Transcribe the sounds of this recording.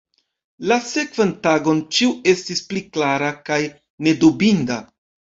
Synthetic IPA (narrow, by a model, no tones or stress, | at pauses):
lase̞kv̥antaɡo̞nt͡ʃiue̞stispliklaɾakaj | ne̞dubinda